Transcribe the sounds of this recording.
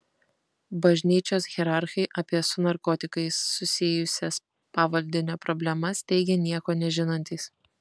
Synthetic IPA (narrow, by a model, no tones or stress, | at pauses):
bɐʒʲnʲiːt͡ʃʲoːsɣʲɛɾɑɾxʲɛɪʔɐpʲiɛsʊnɐɾkɔːt̪ʲɪkɐɪsːʊsʲɪjʊsʲɛs | pɑːʋɐlʲd̪ʲɪnʲoːpɾɔbʲlʲɛmɐst̪ʲɛɪɡʲɛnʲiɛkoːnʲɛʒʲɪnɐnʲt̪ʲiːs